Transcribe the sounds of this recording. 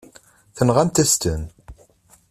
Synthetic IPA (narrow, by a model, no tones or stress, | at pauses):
θənʁæmt̪æst̪ən